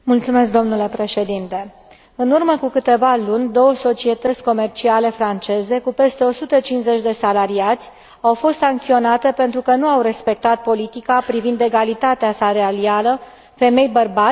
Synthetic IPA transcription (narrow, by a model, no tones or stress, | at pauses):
mult̪sume̞sk̚d̪o̞mnule̞pɾe̞ʃe̞d̪int̪e̞ | ɨnurməkukɨt̪e̞valunʲd̪o̞wəso̞t͡ʃie̞t̪ət̪sʲko̞me̞rt͡ʃiale̞fɾant͡ʃe̞ze̞kupe̞st̪e̞o̞sut̪ət͡ʃinze̞t͡ʃʲd̪e̞salaɾiat̪sʲ | awfo̞st̪saŋkt̪sio̞nat̪e̞pe̞nt̪ɾukənuawɾe̞spe̞k̚t̪at̪̚po̞lit̪ikapɾivind̪e̞ɡalit̪at̪easaɾealialə | fe̞me̞jbərba